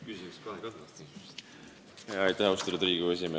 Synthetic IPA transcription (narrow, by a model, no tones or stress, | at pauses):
kysiskɑɦekɑɑst̪i | heɑjt̪æhɑwst̪ɾud̪ɾiːɡues̬ʲime